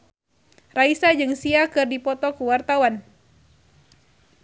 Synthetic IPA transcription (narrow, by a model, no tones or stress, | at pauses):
raisad͡ʒɨŋsiakɨrdipɔt̪ɔkuwart̪awan